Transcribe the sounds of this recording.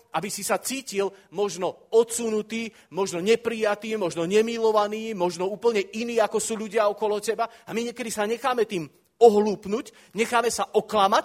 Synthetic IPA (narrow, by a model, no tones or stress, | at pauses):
ʔabisisat͡siːcilmɔʒnɔɔt̪sunut̪iː | mɔʒnɔɲɛpɾijat̪iːmɔʒnɔɲɛmilɔʋaniːmɔʒnɔuːpl̩ɲɛiniːakɔsuːʎuɟɪaɔkɔlɔcɛbaamiɲɛkɛd̪isaɲɛxaːmɛt̪iːm | ɔɦluːpnuc | ɲɛxaːmɛsaʔɔklamac